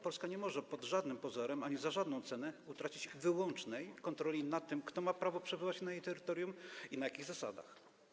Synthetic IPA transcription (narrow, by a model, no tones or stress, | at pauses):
pɔlskaɲɛmɔʐɛpɔd̪ʐad̪nɘmpɔzɔɾɛmaɲizaʐad̪nɔ̃w̃t̪sɛnɛut̪ɾat͡ɕid͡ʑvɘwɔnt͡ʂnɛjkɔnt̪ɾɔlʲinat̪ːɘmkt̪ɔmapɾavɔpʂɛbɘvat͡ɕnajejt̪ɛɾɘt̪ɔɾjuminajakʲiɣzasa̰d̪a̰x